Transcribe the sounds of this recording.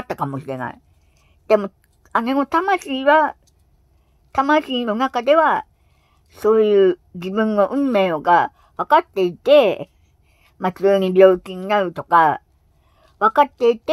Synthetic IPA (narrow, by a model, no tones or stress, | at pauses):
t̪ːakamo̞ɕiɾe̞na̰i | d̪̥e̞mo̞ | aneŋo̞t̪amaɕiːβa | t̪amaɕiːno̞nakad̪e̞βa | so̞ːjɯ̟ːd͡ʑibɯ̟̃nːo̞ʔɯ̟̃mːe̞ːoɡa | βakat̪ːe̞it̪e̞ | mat͡sɨːɲ̟ibʲjo̞ːkʲiɲ̟inaɾɯ̟t̪o̞ka | βakat̪ːe̞it̪e